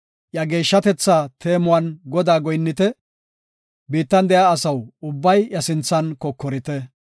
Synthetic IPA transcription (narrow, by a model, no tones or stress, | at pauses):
ʔjɐɡe̞ːʃːɐt̪ɛt͡sːaːt̪ʰe̞ːmʊwɐnɡɔd̪aːɡɔjnːɪt̪ɛ | biːt̪ːɐnd̪ɛjaːsɐwʊbːɐjjɐsɪnt͡sːɐnkɔkːɔɾɪt̪ɛ